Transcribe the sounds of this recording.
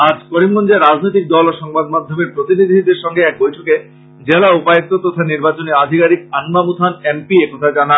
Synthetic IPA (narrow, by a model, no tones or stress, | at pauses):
ad͡ʑkoɾimɡond͡ʑaɾad͡ʑnojt̪̬ik̚d̪ɔloʃɔŋbad̪̚mad̪ʱːomeɾpɾot̪inid̪ʱid̪eɾʃɔŋɡeɛk̚bojʈʰoke | d͡ʑelaupajek̚t̪ot̪ot̪ʰaniɾbat͡ɕonead̪ʱikaɾik̚anmamut̪ʰanempiekɔt̪ʰad͡ʑana